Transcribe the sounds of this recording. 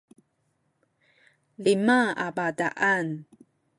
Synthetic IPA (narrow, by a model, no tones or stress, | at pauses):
limaa̰badaʔan